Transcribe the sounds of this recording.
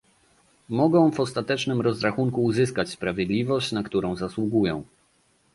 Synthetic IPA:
mɔɡɔ̃w̃vɔst̪at̪ɛt͡ʂnɘmɾɔzɾaxuŋkuːzɘskat͡ɕspɾavʲjɛd̪lʲivɔɕt͡ɕnakt̪uɾɔ̃w̃zaswuɡujɔ̃w̃

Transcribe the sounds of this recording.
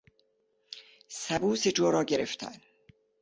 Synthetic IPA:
sæbuːsed͡ʒoːɾɒːɟeɾeft̪ʰæ̰n

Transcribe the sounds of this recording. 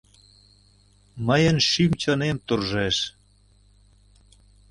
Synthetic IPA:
məjənʃymt͡ɕɑnemt̪urʒeʃ

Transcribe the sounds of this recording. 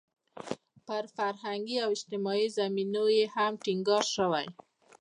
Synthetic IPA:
pəɾfaɾɦaŋɡiawɪd͡ʒt̪ɪmɑizaminojehamʈiŋɡɑɾʃəwa̰j

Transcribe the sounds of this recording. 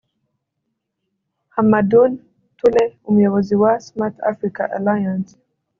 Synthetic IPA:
hamadun | tulɛumujɔɣɔziwasmat̪ʰa̰fɾikaʔa̰lajans

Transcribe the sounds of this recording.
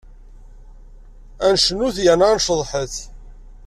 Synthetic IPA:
ænʃənuθjænanʃðˤħəθ

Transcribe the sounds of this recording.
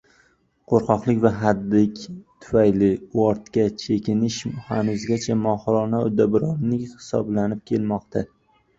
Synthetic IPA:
qʰoɾqʰɒqlˠɪkʲvaɦad̪ːɪkʲt̪ʰʊ̥fajlɪɒɾt̪kʲat͡ʃʰe̞kʲɪnɪʃha̰nʊzɡʲat͡ʃʰamɒhɾɒnaʊd̪abɾɒnːɪkʲhɪ̥sɒ̰blanɪp̚kʲʰe̞lmɒqt̪ʰa

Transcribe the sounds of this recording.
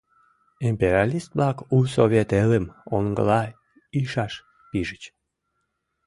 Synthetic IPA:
impeɾʲalist̪̚blɑkusoβet̪eləmoŋɡə̰lɑ | iʃɑʃ | piʒət͡ɕ

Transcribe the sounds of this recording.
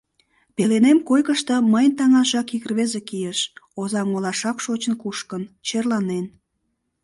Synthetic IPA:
pelenemkojkəʃt̪əməjnt̪ɑŋɑʒɑkikrβezekijeʃozɑŋolɑʃɑkʃot͡ɕənkuʃkənt͡ɕerlɑnen

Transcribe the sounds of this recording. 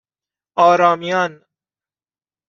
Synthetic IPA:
ɒːɾɒːmijɒːn

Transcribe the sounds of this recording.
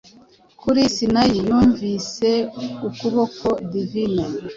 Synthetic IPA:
kʰuɾisinajijuːɱviseukuβokodivine

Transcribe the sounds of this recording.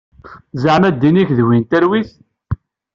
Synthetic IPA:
zəʕmæd̪ːiniçðwint̪æɾwiθ

